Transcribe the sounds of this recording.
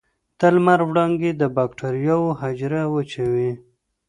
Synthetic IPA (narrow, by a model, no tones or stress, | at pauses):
t̪əlmaɾwɽɑŋɡed̪əbɑkʈʰaɾjawohad͡ʒɾawət͡ʃawi